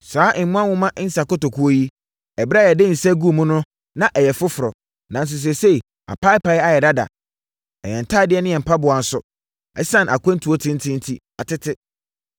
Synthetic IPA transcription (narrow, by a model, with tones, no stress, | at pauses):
saː˨˦ʔɪ̃˨˦mʊ̃˦ã˦wʊ̃˦mã˦ʔɪ˦n̩˦sa˨kɔ˦to˨kʰu˦o˦ji˦ | ɛ˨ba˦jɛ˨dɪ̃˦˨n̩˨sɛ˦ɡu˦˨mũ˦nʊ̃˦ | nã˦ʔɛ˨jɛ˨fʊ˦fʊ˨ɾɔ˨ | nã˨n̩˨s̬ʊ˨s̬ɛ˨se˦i˨ | a̰˨pʰa˦ɪ˦pa˨jɛ˦a˨jɛ˨da˦da̰˨ | ɛ̰˨ɲɛ̃˨n̩˨tʰaː˦˨dɪ˦ɛ˦nɪ̃˦jɛ̃˨m̩˨pʰa˦bʊ˨a˨n̩˨˦sʊ˨ | ɛ˦sã˦˨nʔa˨kʷʰã˦n̩˦tʰu˨o˦tʰɪ̃˦n̩˦tʰɪ̃˦n̩˦tʰi˦ | a˨tɪ˦tʰɪ˦